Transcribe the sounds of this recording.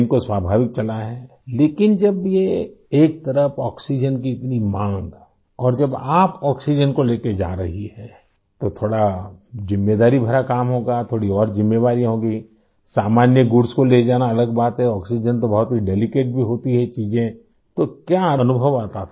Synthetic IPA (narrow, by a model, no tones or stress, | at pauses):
nkoswaːbʱaːʋɪk̚t͡ʃɐlaɦɛː | leːkɪnd͡ʒɐbjeeːk̚t̪ɐɾəfɔːksid͡ʒənk̬iɪt̪nimãːŋɡ | ɔːɾd͡ʒɐbaːpɔːksid͡ʒənkoleːked͡ʒa̰ːɾɐɦiɦɛː | t̪ot̪ʰoːɽazɪmːeːd̪aːɾibʱɐɾakaːmɦoːɡat̪ʰoːɽiɔːɾzɪmːeʋaːɾiɦõːɡi | saːmaːnjəɡʊɾskoled͡ʒaːnaɐləɡbaːt̪ɦɛɔːksid͡ʒənt̪obɐɦʊt̪ɦiɖeːlɪkeːʈ̚bʱiɦoːt̪iɦɛt͡ʃiːzẽ | t̪okjaɐnʊbʱəʋaːt̪at̪ʰ